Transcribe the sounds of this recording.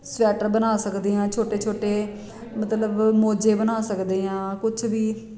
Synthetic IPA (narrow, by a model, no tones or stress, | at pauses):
sʋɛːʈəɾbənaːsəkd̪eːãːt͡ʃʰoːʈeːt͡ʃʰoːʈeː | mət̪ləbmoːd͡ʒeːbənaːsəkd̪eːãːkʊt͡ʃʰbiː